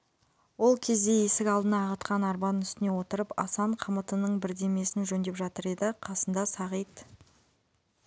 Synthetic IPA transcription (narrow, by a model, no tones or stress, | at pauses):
wo̞lˠkʲʰe̞zd̪e̞je̞sɪkʲɑlˠd̪ənɑːʁət̪qʰɑnɑɾbɑnʏst̪ɪne̞wo̞t̪əɾəpɑ̰sɑɴqʰəmət̪ənəɴbɪɾd̪e̞me̞sɪnʒɵnd̪e̞pʒɑt̪əɾe̞d̪ɪqʰɑsənd̪ɑsɑʁijt̪